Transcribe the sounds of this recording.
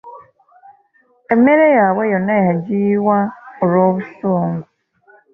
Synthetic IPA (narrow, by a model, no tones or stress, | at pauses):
emeɾejaawejɔneɦad͡ʒiwaʊɾɔβʊsoŋɡʊ